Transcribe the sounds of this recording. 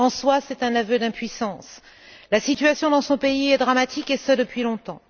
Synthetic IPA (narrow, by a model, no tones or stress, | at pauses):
ɑ̃swasɛt̪ɛ̃navød̪ɛ̃pɥisɑ̃s | lasit̪ɥasjɔ̃d̪ɑ̃sɔ̃peiɛd̪ʁamat̪ʰikesəd̪əpɥilɔ̃t̪ɑ̃